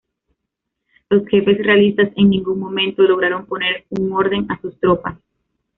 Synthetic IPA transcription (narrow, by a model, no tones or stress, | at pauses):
lo̞sxe̞fe̞sre̞alist̪ase̞ŋnĩŋɡuŋmõmẽ̞nt̪o̞lo̞ɣ̞ɾaɾo̞mpo̞ne̞ɾuŋoɾðe̞ŋasust̪ɾopas